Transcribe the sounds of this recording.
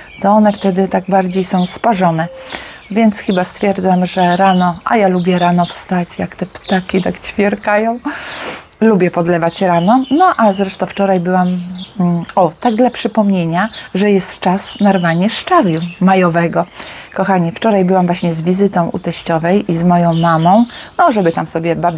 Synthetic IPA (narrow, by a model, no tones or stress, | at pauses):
t̪ɔɔnɛft̪ɛd̪ɘt̪aɡ̚baɾd͡ʑejsɔ̃w̃spaʐɔnɛvʲjɛnt̪sxɘbast̪fʲjɛɾd̪zamʐɛɾanɔʔa̰jalubʲjɛɾanɔfst̪at͡ɕjakt̪ɛpt̪akʲit̪akt͡ɕfʲjɛɾkajɔ̃w̃ | lubʲjɛpɔd̪lɛvat͡ɕɾanɔnɔʔazɾɛʂt̪ɔ̃w̃ft͡ʂɔɾajbɘwam | ɔt̪aɡ̚d̪lapʂɘpɔmɲeɲaʐɛjɛst̪t͡ʂasnaɾvaɲɛʂt͡ʂavʲjumajɔvɛɡɔkɔxaɲift͡ʂɔɾajbɘwamvwaɕɲɛzvʲizɘt̪ɔ̃w̃ʔṵt̪ɛɕt͡ɕɔvɛjʔizmɔjɔ̃w̃mamɔ̃w̃nɔʐɛbɘt̪amsɔbʲjɛbab